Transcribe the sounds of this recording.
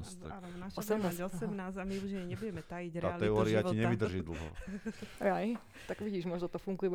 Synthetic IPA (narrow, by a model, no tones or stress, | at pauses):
st̪a̰naʃɔsɛmnaːɔsɛmnaːsamiuʒiɲɛɲɛbuɟɛmɛt̪ajiɟɾaːalɛɔːɾiaciɲɛʋid̪r̩ʒid̪l̩ˠɦɔ̰ | aj | t̪aɡʋiɟiːʒmɔʒnɔt̪ɔfuŋɡujiʋ